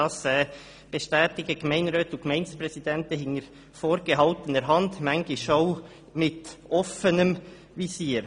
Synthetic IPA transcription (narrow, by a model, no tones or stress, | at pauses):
ɑsɛː | b̥eʃtɛːtɪɡəɡmɛɪnɾøːtʊnkmɛɪnspɾɛsidɛntəɦɪŋəɾ | foːɾɡəɦɑltənəɾɦɑndmɛŋɡ̥ɪʃoʊ | mɪtʔɔfənəm | visiːɾ